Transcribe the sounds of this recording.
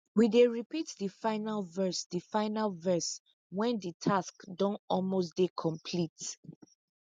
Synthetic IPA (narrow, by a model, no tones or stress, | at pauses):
wideɹipitdifaɪnalvɜsdifaɪnalvɜs | wɛ̃nditʰaskdɔ̃nɔlmos̬dekʰɔ̃mpʰlit